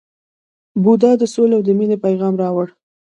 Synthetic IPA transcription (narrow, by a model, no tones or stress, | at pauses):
bud̪ɑd̪əsolawd̪əminepajɣɑmɾɑwəɽ